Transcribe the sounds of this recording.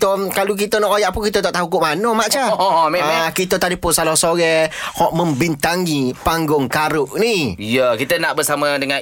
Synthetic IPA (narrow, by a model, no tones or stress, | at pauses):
t̪okaluk̬it̪ənɔʔojaʔ̚pʊnkit̪ət̪ɔʔt̪aɦukʊʔmanəmaʔt͡ʃamɛakit̪ət̪adipʊnsalɔsoɾɛhɔʔmə̃mbint̪aŋipaŋɡʊŋkaɾʊʔnijəkit̪ənaʔbəsamadəŋã